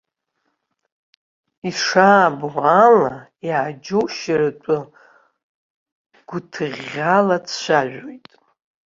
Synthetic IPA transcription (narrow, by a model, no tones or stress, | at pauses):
iʂaːbʕʷalajad͡ʒoʃratʷʼʊ | ɡ̥ʷʊtʰɨʁʲalat͡sʰʃʷaʒʷᶣojtʼ